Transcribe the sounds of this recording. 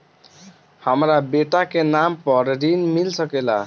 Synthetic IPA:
hamɾabeʈakenampʌɾɾinmilsʌkela

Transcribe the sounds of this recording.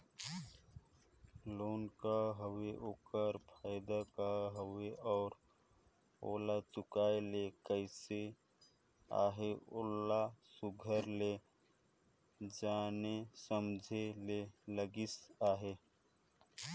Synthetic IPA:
loːnkaɦəweʔoːkəɾpʰaːɪd̪akaɦəweɔːɾ | oːlat͡ʃʊkaːelekəɪse | a̰ːɦeoːlasʊɡʱəɾle | d͡ʒaːnesəmd͡ʒʱeleləɡɪsaːɦe

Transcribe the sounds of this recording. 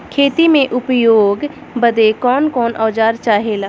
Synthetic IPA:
kʰeːt̪imẽʔʊpjoːɡ | bəd̪ekɔːnkɔːnʔɔːd͡ʒaːɾt͡ʃaːɦelaː

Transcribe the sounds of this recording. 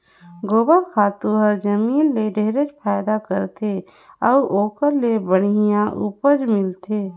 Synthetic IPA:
ɡoːbəɾkʰaːt̪uɦəɾd͡ʒəmiːlːeɖeːɾet͡ʃpʰaːjd̪akəɾt̪ʰe | əuʔoːkəɾlebəɽ̤ijãʔṵːpəd͡ʒmɪlt̪ʰeː

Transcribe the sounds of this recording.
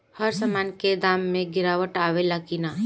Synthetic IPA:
həɾsəmaːnked̪aːmːẽɡɪɾaːwəʈaːʋelakinaː

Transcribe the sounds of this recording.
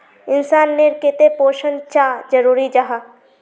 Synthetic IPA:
ɪnsaːnːeɾkɪt̪epoːʃənt͡ʃaːd͡ʒəɾuːɾid͡ʒaɦa

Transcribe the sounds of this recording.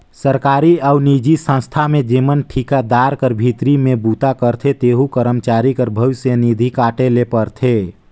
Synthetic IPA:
səɾkaɾiaunid͡ʒisə̃nst̪ʰamed͡ʒemənʈʰikad̪aɾkəɾbʱit̪ɾimebut̪akəɾt̪ʰet̪eɦukəɾəmt͡ʃaɾikəɾbʱəʋɪsjənid̪ʱikaʈelepəɾt̪ʰe

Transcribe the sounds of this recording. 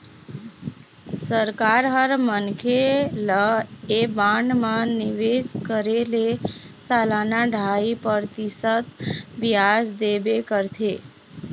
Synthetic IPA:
səɾkaɾɦəɾmənkʰeləebãɳɖmãnɪʋeskəɾele | salanaɖʱaipəɾt̪ɪsət̪biasd̪ebekəɾt̪ʰe

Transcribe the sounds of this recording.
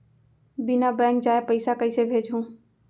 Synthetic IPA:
bɪnabɛ̃ːŋkd͡ʒaːepəɪsakəisebʱeːd͡ʒɦũː

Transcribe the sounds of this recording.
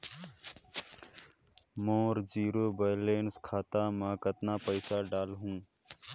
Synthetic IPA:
mõːɾd͡ʒiːɾoːbəːleːnskʰaːt̪aːmãːkət̪naːpəɪsaːɖaːlɦũː

